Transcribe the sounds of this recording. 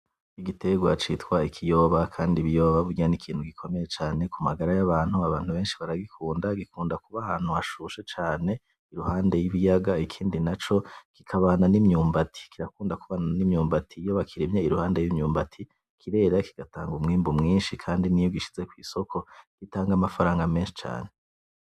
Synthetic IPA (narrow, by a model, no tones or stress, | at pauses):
iɡite̞ɡwat͡ʃitkwaikʰijo̞ːβakʰaːndiβijo̞ːβaβuɾɟanikʰiːn̥huɡikʰo̞me̞je̞t͡ʃaːne̞kumaɡaɾajaβaːn̥huaβaːnhuβe̞ːnʃiβaɾaɡikʰuːndaɡikuːndakuβahaːn̥huaʃuːʃet͡ʃaːne̞ | iɾuhaːnde̞jiβijaɡaikʰiːndinat͡ʃo̞kikʰaβaːnanimɲuːmbatʰi̥kiɾakuːndakuβananimɲuːmbatʰijoβakʰiɾimɲeiɾuhaːnde̞jimɲuːmbatʰi | kʰiɾe̞ːɾakiɡ̥ataːŋɡumŋiːmbumŋiːnʃikʰaːndinijoɡiʃi̥z̥e̞kwḭːso̞kʰo̞ɡ̥itaːŋɡamafaɾaːŋɡame̞ːnʃi̥t͡ʃa̰ːne̞